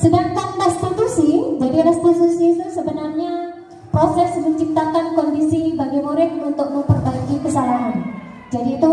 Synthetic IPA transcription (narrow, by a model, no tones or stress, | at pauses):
sədaŋkanrɛst̪it̪usid͡ʒadiɾɛst̪it̪usiːt̪usəbənarɲa | pɾosɛsməɲt͡ʃip̚t̪akankɔndisibaɡimoɾɪt̪̚unt̪ʊk̚məmpərbaiɡikəsalaɦan | d͡ʒadiːt̪u